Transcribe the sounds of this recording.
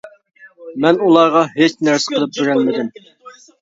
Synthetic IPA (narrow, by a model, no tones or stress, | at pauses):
mɛnulˠɑʁɑɦet͡ʃnæɾsɪqʰəlˠɨp̚beɾɛnmɪd̪ɪm